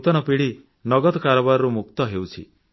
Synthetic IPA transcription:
t̪ɔnɔpiɽi | nɔɡɔd̪ɔkaɾɔbaɾɔɾumuk̚t̪ɔɦewt͡ʃʰḭ

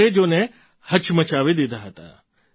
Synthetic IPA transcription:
ed͡ʒoːne | hɐt͡ʃmɐt͡ʃaːʋed̪id̪aɦɐt̪a̰

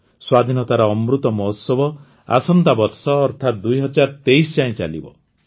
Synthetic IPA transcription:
swad̪ʱinɔt̪aɾɔːmɾut̪ɔmɔɦusɔbɔ | a̰sɔnt̪abɔɾsɔːɾt̪ʰat̪̚d̪ujɦɔd͡ʒaɾt̪eisd͡ʒãĩt͡ʃa̰lḭbɔ̰

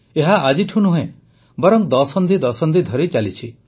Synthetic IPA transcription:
eɦaʔad͡ʒiʈʰunuɦẽ | bɔɾɔŋd̪ɔsɔnd̪id̪ɔsɔnd̪id̪ʱɔɾit͡ʃalit͡ʃʰi

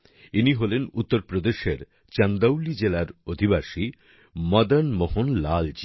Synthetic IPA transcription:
iniɦolenut̪ːoɾpɾod̪eʃeɾ | t͡ɕand̪awlid͡ʑelaɾod̪ʱibaʃi | mɔd̪anmohonlald͡ʑi

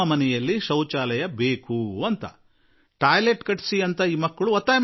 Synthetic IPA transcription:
ɐmɐnɛjɐlːiʃɐwt͡ʃaːlɐjɐbe̞ːkuɐnt̪ɐ̰ | ʈaːjleʈkɐʈsiɐnt̪ɐiːmɐkːɐɭuɐt̪ːaːjm

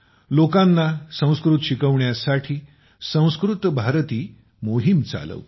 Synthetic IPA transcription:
lokãnːasə̃w̃skɾut̪ɕikəʋɳjasaʈʰiː | sə̃w̃skɾut̪bʱaɾt̪iː | moɦimt͡sa̰lə̰ʋ

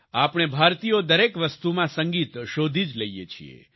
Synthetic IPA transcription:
apɽ̃ebʱaɾt̪ijod̪əɾekʋəst̪umãsə̃ŋɡit̪ʃod̪ʱid͡ʒləjḛt͡ʃʰḭḛ

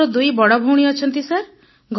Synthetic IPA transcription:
ɔd̪ujbɔɽɔbʱɔwɽ̃iɔt͡ʃʰɔnt̪isaɾ | ɡʱ

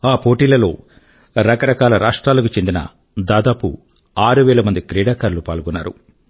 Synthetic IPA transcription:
aːpo̞ːʈiːlɐlo̞ː | ɾɐkɐɾɐkaːlɐɾaːʂʈɾaːlɐkut͡ʃe̞nd̪inɐ̰ | d̪aːd̪aːpṵ | aːɾuʋɛːlɐmɐnd̪ikɾɛːɽaːkaːɾlupaːlɡunːa̰ːɾṵ

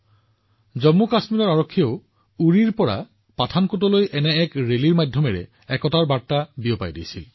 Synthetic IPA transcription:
zɔmːukasmilɔɹaɹokʰːijɔʊ | uɹiɹpɔɹa̰ | patʰankutɔlojʔɛnɛɛkɹeliɹmajdʱjɔmɛɹɛ̰ | ɛkɔtaɹbaɹtabijɔpajdḭjsḭl

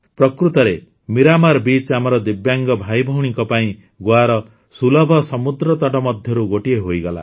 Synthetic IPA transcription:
pɾɔkɾut̪ɔɾe | miɾamaɾbit͡ʃamɔɾɔd̪ibjaŋɡɔbʱajbʱɔwɽ̃iŋkɔpaĩ | ɡwaɾɔ | sulɔbʱɔsɔmud̪ɾɔt̪ɔʈɔmɔd̪ʱjɔɾuɡoʈieɦojɡɔla̰

